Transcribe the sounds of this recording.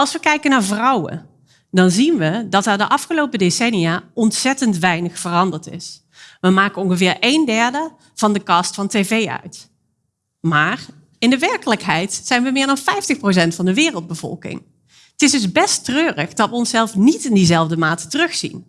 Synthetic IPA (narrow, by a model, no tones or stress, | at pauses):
ɑlˠsʋəkɛjkənaːɹvrɑwə̰ | dɑnzinʋədɑtɛɹdəʔɑfχəlowpədesɛnijaːɔntsɛtəntʋɛjnəχfərɑndəɹtɪ̰s | ʋəmaːkəɔŋχəvɪːɹejndɛɹdə | v̥ɑndəkɑstfɑntejvejœ̰ɥt | maːr | ɪndəʋɛɹkələkɦɛjtsɛjnʋəmɪːɹdɑnfɛjftəxprows̬ɛntfɑndəʋɪːrəlˠd̚bəv̥ɔ̰lˠkɪ̰ŋ | ətɪzdɵzbɛstrøːrəχdɑtʋəɔnsɛlˠfnitɪndizɛlˠvdəmaːtə̥tərɵxsḭn